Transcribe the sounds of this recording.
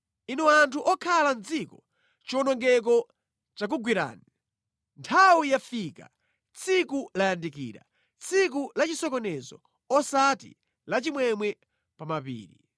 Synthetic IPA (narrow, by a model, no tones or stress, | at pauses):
inɔantʰuʔɔkʰalant͡sikɔ | t͡ʃɔnɔŋɡɛk̬ɔ | t͡ʃak̬uɡwiɾa̰ːni | ntʰawijafika̰ | t͡sʰikulajandikḭːɾa̰ | t͡sʰik̬ulat͡ʃisɔkɔnɛzɔ̰ | ɔsatḭ | lat͡ʃimwɛmwɛ | pamapḭːɾḭ